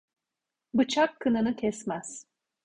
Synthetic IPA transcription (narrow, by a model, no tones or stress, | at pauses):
bɯt͡ʃʰakʰːɯnɯnɯcʲʰɛsmæz̥